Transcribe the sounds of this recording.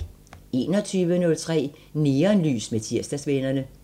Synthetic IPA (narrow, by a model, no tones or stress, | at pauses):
e̝ːnɒt͡sʰyːʋənɔ̽lt͡sʰʁɛ̰ː | niːɐnly̰ːsmet͡sʰiɐsd̥æsʋenɐnə